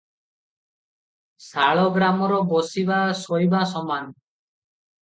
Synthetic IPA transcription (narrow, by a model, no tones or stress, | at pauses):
saɭɔɡɾamɔɾɔbosibasojbas̬ɔman